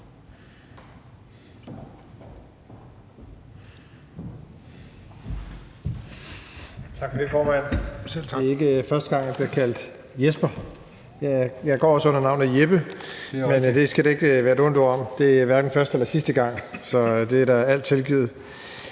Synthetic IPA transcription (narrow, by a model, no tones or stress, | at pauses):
t͡sʰɑ̈ɡ̥fɔdefɒːmæn̰ | e̝ɡ̥əfɶɐsd̥əɡ̥ɑ̈ŋ̰jɑ̈b̥liɐkʰæl̰d̥ | jesb̥ɐ | jjɑ̈ɪɡ̥ɒ̰ːɒ̽sɔ̽n̰ɐnɑ̈ʊnð̩jeb̥əmend̥e̝sɡ̥æɾee̝ɡ̥əʋæːɐedɔ̽n̰d̥ɒ̰ɒ̽m̰d̥e̝æʋæɐd̥n̩fɶɐsd̥əelɐsisd̥əɡ̥ɑ̈ŋ̰sɒ̽d̥e̝æɐd̥ɑ̈æl̰d̥̚t͡sʰe̝lɡ̥ḭːð̰̩ˠ